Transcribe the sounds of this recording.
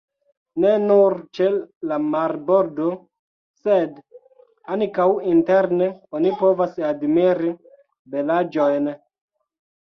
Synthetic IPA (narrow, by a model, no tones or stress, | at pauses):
ne̞nuɾt͡ʃelamaɾbo̞ɾdo̞ | sed | ankawinteɾneonipo̞vasadmiɾi | belad͡ʒo̞jn